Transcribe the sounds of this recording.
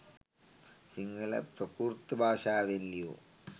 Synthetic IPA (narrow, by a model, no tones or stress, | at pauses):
siŋɡɐlɐ̰prɐkuːrt̪ːɨbʱaːʂaːʋenlijo̰ː